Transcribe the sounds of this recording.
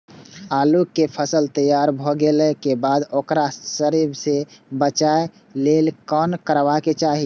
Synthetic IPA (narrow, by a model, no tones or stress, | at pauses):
aːlukːepʰəsəlt̪əjaɾbʱoɡeləkebad̪okɾasəɾibsebət͡ʃae | lelkɔnkəɾʋaket͡ʃaːɦi